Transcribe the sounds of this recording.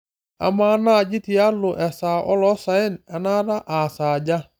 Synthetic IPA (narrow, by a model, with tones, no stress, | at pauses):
a̰˨ma˨˦na˦˨d͡ʒi˦ti˨˦a˦lʊ˨ʔɛ˨saː˨ʔɔ˦lɔ˦sa˨ɪ˦na˨na˦ɾa˦ʔa˨saː˨ɟa˦